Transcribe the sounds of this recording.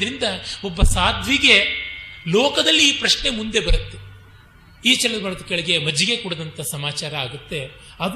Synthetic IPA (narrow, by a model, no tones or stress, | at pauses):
ɐɾind̪ɐobːɐsaːd̪ʱʋiɡe̞lɔːkɐd̪ɐlːiːpɾɐʃɳe̞mund̪e̞bɐɾut̪ːe | iːt͡ʃɛlɐɐbɐɾɐt̪ukeɭɐɡe̞mɐd͡ʒiɡekuːɽɐd̪ɐnt̪ɐsɐmaːt͡ʃaːɾɐaːɡut̪ːe̞ | ɐd